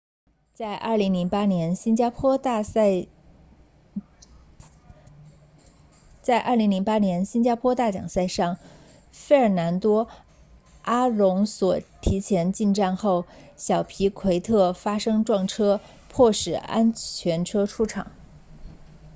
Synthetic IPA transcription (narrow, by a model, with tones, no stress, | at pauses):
a˥˧ɪʔɐ̰˞˥˩li˧˥ŋli˧˥ŋpa˥njɛ˧˥nɕi˥nt͡ɕa˥pʰwɔ˥t̪ | t͡sa˥˧ɪʔɐ̰˞˥˩li˧˥ŋli˧˥ŋpa˥njɛ˧˥nɕi˥nt͡ɕja˥pʰwɔ˥t̪a˥˩t͡ɕjɑ̰˨˩ŋsa˥˧ɪʂɑ˥˩ŋ | fe˥˩ɪə˞˨˩na˧˥nt̪wɔ˥ | a˥lʊ˧˥ŋswɔ˨˩t̪ʰi˧˥t͡ɕʰjɛ˧˥nt͡ɕi˥˧nʈ͡ʂa˥˧nxo˥˩ʊɕjɑ˨˩ʊpʰi˧˥kʰwe˧˥ɪt̪ʰɤ˥˩fa˥ʂɤ˥ŋʈ͡ʂwɑ˥˩ŋʈ͡ʂʰɤ˥ | pʰwɔ˥˩ʂɻ̩˨˩a̰˥nt͡ɕʰɥɛ˧˥nʈ͡ʂʰɤ˥ʈ͡ʂʰu˥ʈ͡ʂʰɑ̰˨˩˦ŋ